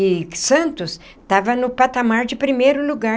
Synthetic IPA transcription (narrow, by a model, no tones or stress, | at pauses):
ɪsɐ̃nt̪ʊs | t̪avɐnʊpat̪amaɾd͡ʒɪpɾimejɾʊluɡa